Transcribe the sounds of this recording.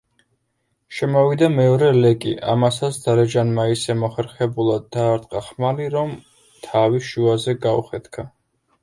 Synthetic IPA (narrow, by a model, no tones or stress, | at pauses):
ʃɛmɔvid̪amɛɔɾɛlɛkʼḭʔa̰masasd̪̥aɾɛd͡ʒanmaisɛmɔχɛɾχɛbulˠad̪ːaːɾt̪ʼqʼaχmaliɾɔm | t̪ʰaviʃuazɛɡaṵχɛt̪kʰa